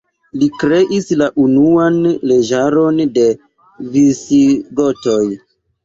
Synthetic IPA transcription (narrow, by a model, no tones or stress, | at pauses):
likɾe̞ʔislaʔunuanle̞d͡ʒaɾo̞nde̞ | visiɡo̞to̞j